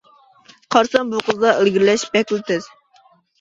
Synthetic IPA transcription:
qʰɑɾsɑnbuqʰəzd̪ɑʔelɡʲiɾlɛʃpɛkʲlɪt̪ɪz

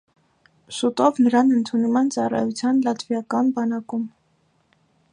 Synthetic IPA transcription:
sut̪ɔvnəɾɑnənt̪ʰunumɛnt͡sɑrɑ̰jut͡sʰjɑnlɑt̪ʰvjɑkɑnbɑnɑkum

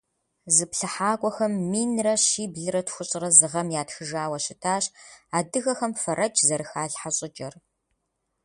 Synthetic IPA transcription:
zɨpɬɨħaːɡʷʼɔxɐmːiːnrɐɕiːbɮɨɾɐtʰxʷʊɕʼɪrɐzɨʁɐmjaːtxɨʒaːwɐɕɪtʰaːɕaːdɨɣɐxɐmfɐɾʔɐt͡ʃzɐɾɨxaːɬħaɕʼɪt͡ʃʼɐr

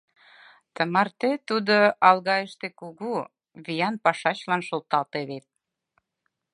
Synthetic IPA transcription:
t̪əmɑrt̪et̪ud̪oɑlɣɑjəʃt̪ekuɣu | βijɑnpɑʃɑt͡ɕlɑnʃolt̪ɑlt̪eβet̪̚

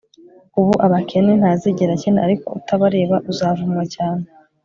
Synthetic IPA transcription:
uβuʔaβakʰe̞nen̥haːziɟeɾacenaʔaɾiko̞̰utʰaβaɾe̞ːβaʔuzaːvumŋacaːne

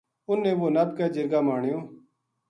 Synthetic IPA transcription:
ʊnːẽːʋoːnəb̚kəːd͡ʒəɾɡaːmaːɳɪjõː

